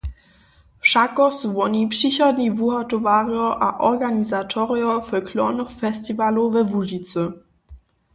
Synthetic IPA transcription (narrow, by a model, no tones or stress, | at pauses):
fʃakɔsvɔnipʃiçɐdnivuhatovaʁjɔʔaʔɔɡanizatʰɔʁjɔfəkʰlɔnɔχfɛstivalovɛvuʒit͡sə